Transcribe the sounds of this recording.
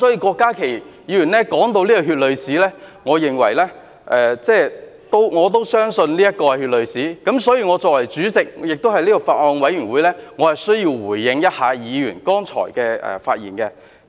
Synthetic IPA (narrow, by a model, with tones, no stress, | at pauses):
sɔː˨˥jiː˨˧kɔː˧kːaː˥kʰe˨˩j | jiː˨˧jyː˨˩nlɛː˥kɔː˨˥ŋt̪̬o˧wliː˥kɔ˧ɦyː˧t̚lɵ˨˧ɥsiː˨˥lɛː˥ŋɔː˨˧jɪ˨ŋwɐ̰˨˩jlɛː˥ | ʔɛː˨t͡sɛː˥˧ | t̪o˥wŋɔː˨˧t̪o˥wsœː˥ŋsɵ˧nliː˥jɐ˥t̚kɔː˧kɛ˧hyː˧t̚lɵ˨ɥsiː˨˥kɐ˨˥msɔː˨˥jiː˧ŋɔː˨˧t͡sɔː˧kwɐ˨˩jt͡syː˨˥t͡sɪ˨k̚jɪ˨k̚t̪o˥whɐ˨jliː˥kɔ˧faː˧t̚ʔɔː˧ŋwɐ˨˥jɥyː˨˩nwuː˨˥jlɛː˥ŋɔː˨˧hɐ˨jsɵ˥ɥji˧wwuː˨˩jːɪ˧ŋjɐ˥t̚haː˨˧jiː˨˧jyː˨˩nkɔː˥ŋt͡ʃʰɔ̰ː˨˩jkɛː˧ɛ̰˨˩faː˧t̚jiː˨˩nkɛ˧